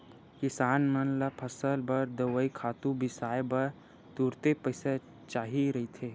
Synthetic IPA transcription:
kɪsaːnmənlapʰɐsəlbɐɾd̪ɐʋəikʰaːt̪ũbɪsaːjbɐɾ | t̪uːɾt̪epəse | t͡ʃaːɦiɾɐɦit̪ʰeː

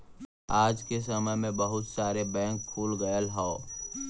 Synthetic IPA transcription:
aːd͡ʒkes̬əməmẽbəɦʊt̪saːɾebɛ̃ːŋkʰːuːlɡəjəlɦao

